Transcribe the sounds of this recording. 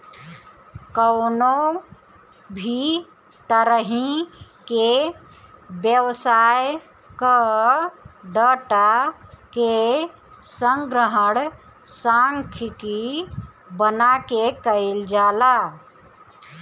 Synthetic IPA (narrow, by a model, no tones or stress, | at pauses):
kəwno | bʱi | t̪əɾəɦĩke | bjəwsaj | kə | ɖaʈake | səŋɡɾəɦəɽ | sãŋkʰki | bənakekəɪld͡ʒaːla